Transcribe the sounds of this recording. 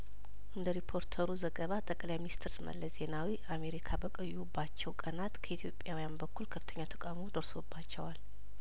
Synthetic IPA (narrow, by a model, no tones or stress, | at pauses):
ʔɨnd̪əɾipʰo̞ɾt̪ʰəɾuzəɡəβat̪ʼəkʼlajminist̪ʰɨɾsmə̰lːəsze̞nawiame̞ɾikʰabəkʼəjːubːat͡ʃːɛwkʼənat̪kʰəit̪ʰjo̞pʼːjawijanbəkʰːulkʰəft̪ʰəɲːat̪ʰə̥kʼawmod̪əɾso̞bːat͡ʃːɛwal